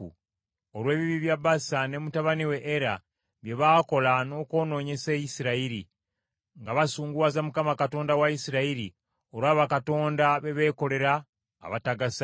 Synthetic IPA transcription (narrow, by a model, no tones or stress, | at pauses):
u | olwe̞ːβiβiβjabasane̞mutaβaniwe̞ʔːɾa | βje̞βaːko̞lano̞ko̞ːno̞ːɲe̞se̞jisiɾaiɾi | ŋɡaβasuːŋɡuwazamukamakato̞ːndawaisiɾaiɾi | o̞ɾwaːβakato̞ːndaβe̞βe̞ːko̞le̞ɾa̰ː | βataɡasa